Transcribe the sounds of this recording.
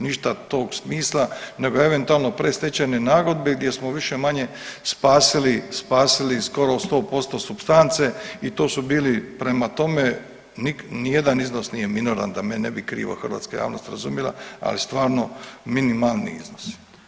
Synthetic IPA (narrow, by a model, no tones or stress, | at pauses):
niʃt̪at̪o̞ːɡsmiːslˠane̞ɡoe̞ʋe̞nt̪ualˠno̞pɾest̪et͡ɕenenaːɡo̞d̪beɡd̪je̞smoʋiʃemaɲe̞spaːsilispaːsilisko̞ɾost̪o̞ːpo̞st̪o̞supst̪ant̪se̞it̪o̞ːsubiːlipɾemat̪o̞me | niknijed̪aniznosnije̞minoɾa̰nd̪amenḛbikɾḭːʋa̰xərʋa̰t̪skaja̰ːʋno̞st̪ɾazumjelˠa̰a̰list̪ʋaːɾno̞minimalˠnḭḭznos